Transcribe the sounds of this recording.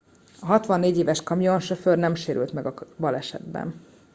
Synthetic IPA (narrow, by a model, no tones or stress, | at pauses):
ɒɦɒt̪ʋɒnːeːɟeːvɛʃkɒmijonʃøførnɛmʃeːɾylt̪mɛɡɒbɒlɛʃɛ̰d̪bɛ̰n